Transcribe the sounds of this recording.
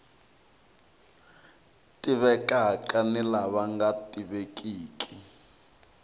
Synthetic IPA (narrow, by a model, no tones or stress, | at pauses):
tʼiβɛkʼaakʼanilaβaŋɡatʼiβekʼiːkʰʼi̥